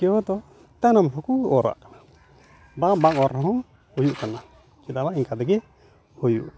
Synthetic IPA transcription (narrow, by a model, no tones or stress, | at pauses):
kɛwɔt̪ɔ | t̪anɔmɦɔkuɔɾa̰ʔ | babaŋɔɾɔɦɔ̃ | hujuʔkana | kiɗ̪alaʔiŋkad̪ɛɡɛ | hujṵʔ